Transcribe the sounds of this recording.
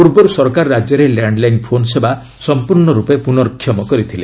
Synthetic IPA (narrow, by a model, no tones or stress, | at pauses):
puɾbɔɾusɔɾkaɾːad͡ʒjɔɾelaɳɖlajnpʰonseba | sɔmpuɾɳɔɾupepunɔɾɔkʰːjɔmɔkɔɾit̪ʰile